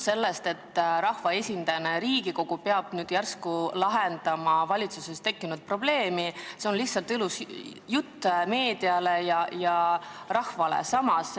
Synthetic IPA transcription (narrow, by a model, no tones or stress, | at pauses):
se̞lːest̪e̞t̪ːɾɑhvɑe̞sʲind̪̥ɑjɑneɾiːɡiko̞ɡ̥upeɑb̥nyːd̪jærskulɑɦend̪̥ɑmɑvɑlʲit̪susest̪e̞kːinud̪̥̚pro̞b̥le̞ːmise̞o̞nliht̪sɑlt̪ilus | jut̪ːme̞ːd̪iɑle̞jɑjɑ | rɑhvɑlḛsɑmɑs